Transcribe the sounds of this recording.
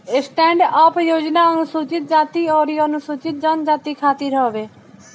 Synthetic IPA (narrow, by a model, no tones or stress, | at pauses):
ɪsʈɛ̃ːɳɖaːpjoːd͡ʒnaənʊsuːt͡ʃɪt̪̚d͡ʒaːt̪iɔːɾijənʊsuːt͡ʃɪt̪̚d͡ʒənd͡ʒaːt̪ikʰaːt̪iɾɦəɦʋeː